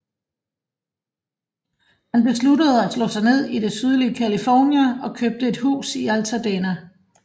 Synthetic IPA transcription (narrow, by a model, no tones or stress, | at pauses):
hænb̥e̝sludəð̞̩ˠæslɔ̰̽ːsɑ̈ɪne̝ð̞̰ˠid̥e̝syð̞ˠliəkʰælifɒːnjæɒ̽kʰøb̥̚d̥əe̝d̥hṵːsiælt͡sʰæd̥eːnæ